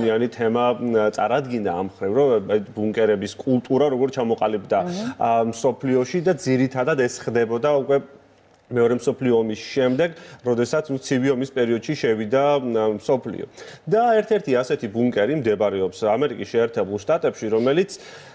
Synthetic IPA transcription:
ianit̪ʰɛmat̪ʼa̰ɾad̪ɡind̪a̰ːmχɾivɾɔabuŋkʼɛɾɛbiskʼulˠt̪ʼuɾaɾɔɡɔɾt̪t͡ʃʰamɔqʼalibd̪amsɔpʰliɔʃid̪ad̪ziɾit̪ʰad̪ad̪ɛsχd̪ɛbɔd̪aukʼwɛ | mɛɔɾɛmsɔpʰliɔːmisʃɛmd̪ɛɡɾɔd̪ɛsat̪sʰut̪sʰiviɔmispʼɛɾiɔd̪̥ʃiʃɛvid̪amsɔpʰlḭɔ̰d̪aɛɾt̪ʰɛɾt̪ʰiasɛt̪ʰibuŋkʼɛɾimd̪ɛbaɾɛɔpsamɛɾikʼisʃɛːɾt̪ʰɛbulˠʃt̪ʼat̪ʼɛpʃiɾɔmɛlit̪sʰ

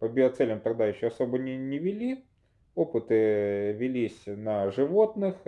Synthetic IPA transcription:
pɐbʲɪɐt̪sɛlʲəmt̪ɐɡd̪ajɪɕːoɐsobənʲɪnʲɪʋʲɪlʲi | opɨt̪ɨvʲɪlʲisʲnɐʐɨʋo̞t̪nɨx

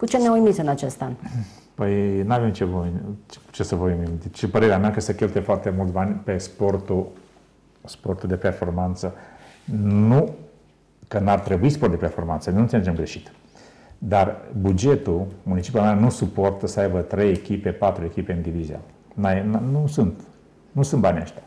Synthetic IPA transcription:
kut͡ʃe̞neamujmit̪sɨnat͡ʃe̞st̪an | pəjnuave̞mt͡ʃe̞vot͡ʃt͡ʃesəvoimid̪et͡ʃpəɾe̞ɾeameakesəkʲe̞lt̪ujefoart̪e̞mult̪banʲpe̞spo̞rt̪u | spo̞rt̪uld̪e̞pe̞rfo̞rmant̪sə | nu | kənart̪ɾe̞buisport̪d̪e̞pe̞rfo̞rmant̪sənʲnut̪seled͡ʒemɡɾe̞ʃi̥t̪ | d̪arbud͡ʒe̞t̪umunit͡ʃi̥pʲuameanusupo̞rt̪əsəajbət̪ɾe̞jekʲipe̞pat̪ɾue̞kʲipe̞ɨnd̪ivizia̰ | naennusunt̪ | nusunt̪̚banʲa̰ʃt̪ʲḁ

